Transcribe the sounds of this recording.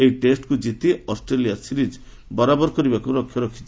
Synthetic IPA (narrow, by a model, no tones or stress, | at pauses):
eiʈesʈkud͡ʒit̪iɔsʈɾelijasiɾid͡ʒ | bɔɾabɔɾɔkɔɾibakuɾɔkʰːjɔɾɔkʰi̥t͡ʃi